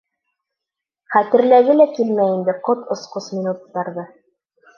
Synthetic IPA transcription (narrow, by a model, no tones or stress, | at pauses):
χæt̪ɘ̆ɾlæɡɘlækilmæjind̪ɘqot̪ŏsqosmʲinut̪ːɑɾðɤ